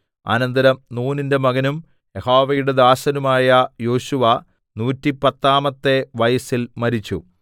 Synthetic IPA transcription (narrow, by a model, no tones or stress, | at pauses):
a̰ːnɐnd̪ɐɾɐmnuːninde̞mɐɣɐnum | jehoːʋɐjuɽed̪aːɕɐnumaːjɐjo̞ːɕuʋɐ | nuːtːipɐt̪ːaːmɐt̪ːe̞ʋɐjɐsilmɐɾit͡ɕːṵ